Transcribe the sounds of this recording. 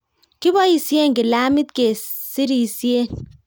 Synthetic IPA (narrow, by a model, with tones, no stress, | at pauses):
kɪ˦bɔ˦i˨sje˦ŋɡɪ˨la˦mɪ˦t̪̚ke˨si˦ɾi˨sje˦n